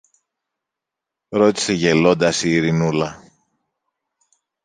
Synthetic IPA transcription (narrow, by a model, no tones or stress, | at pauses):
ɾo̞t̪i̥se̞ʝe̞lo̞nd̪ɐsiːɾinulɐ